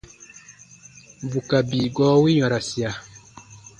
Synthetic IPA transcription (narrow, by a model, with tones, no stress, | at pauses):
bu˨ka˨bi˨ɡɔː˨˦wi˦ɲɔ̃˨ɾa˨si˨a˨